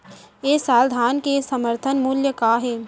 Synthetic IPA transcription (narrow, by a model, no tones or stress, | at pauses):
eːsaːld̪ʱaːnkesəməɾt̪ʰənmuːljəkaːɦɛː